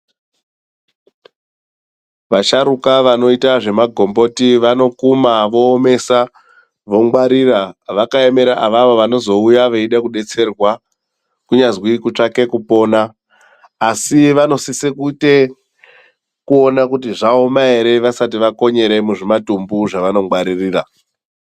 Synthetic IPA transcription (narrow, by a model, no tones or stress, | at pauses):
ʋaʃaɾukaʋano̞itaʐe̞maɡʱo̞mbo̞tiʋano̞kumaʋo̞ːme̞sa | ʋo̞ŋɡwaɾiraʋakaeme̞ɾaʔaʋaʋo̞ʋano̞zo̞ujaʋe̞iɗakuɗe̞t͡se̞rwa | kuɲazwikut͡ʂake̞kupo̞ːnaː | siʋano̞sisekute̞ | kuo̞nakutiʐao̞maeɾe̞ʋasatiʋako̞ɲe̞ɾe̞muʐimatumbuʐaʋano̞ŋɡwaɾiriːra